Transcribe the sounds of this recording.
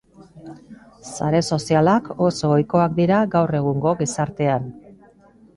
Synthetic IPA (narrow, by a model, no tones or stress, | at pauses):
saɾe̞so̞sialako̞so̞ːjko̞ak̚d̪iɾaɡawre̞ɣ̞uŋɡo̞ɣisaɾt̪e̞an